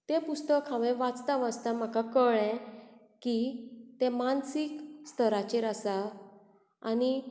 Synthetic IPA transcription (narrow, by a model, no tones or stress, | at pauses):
t̪ẽpust̪əkʰːãʋɛ̃ʋat͡st̪aʋat͡st̪am̤akakəɭɛ̃ | kit̪ɛ̃mansikst̪ʰəɾat͡ɕeɾasa | a̰ni